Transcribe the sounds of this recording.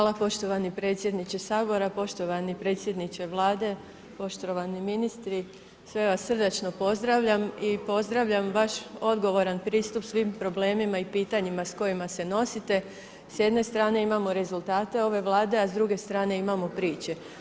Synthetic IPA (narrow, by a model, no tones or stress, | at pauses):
xʋaːlˠapo̞ʃt̪o̞ʋanipɾe̞ːt̪sʲjed̪nit͡ɕe̞saːbo̞ɾapo̞ʃt̪o̞ʋanipɾe̞ːt̪sje̞d̪nit͡ɕe̞ʋlˠaːd̪e̞ | po̞ʃt̪oʋaniminist̪ɾi | sʋe̞ʋasːr̩d̪ot͡ʃno̞po̞zd̪ɾaʋʎamipo̞zd̪ɾaʋʎamʋaʃo̞d̪ɡo̞ʋo̞ɾanpɾiːst̪upsʋimpɾo̞ble̞ːmimaipiːt̪aɲimasko̞jimase̞no̞sit̪e̞ | sje̞d̪ne̞st̪ɾaːne̞imamo̞ɾe̞zulˠt̪aːt̪e̞o̞ʋe̞ʋlˠaːd̪e̞azd̪ɾuɡe̞st̪ɾaːne̞imamo̞pɾiːt͡ɕe̞